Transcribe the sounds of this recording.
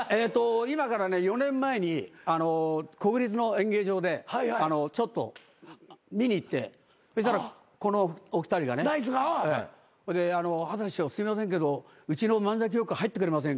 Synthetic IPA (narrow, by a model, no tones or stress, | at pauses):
eːt̪ːo̞imakaɾane̞jo̞nẽ̞mːae̞ɲ̟iano̞ko̞kɯ̟ɾʲit͡sɨno̞ẽ̞ŋɡe̞ːʑo̞ːd̪e̞haano̞t͡ɕo̞t̪ːo̞̰ | mʲiɲ̟iːt̪ːe̞̰ | eɕt̪aɾa | ko̞nookɯ̟̥t̪aɾiɡa̰neaiɨɡa | koed̪e̞ano̞hat̪aɕiosɨimas̬ẽ̞ŋk̬e̞d̪o | ɯ̟t͡ɕino̞mãnd͡zak̬ʲijo̞kɯ̟ahait̪ːekɯ̟ɾe̞mas̬ẽ̞ŋ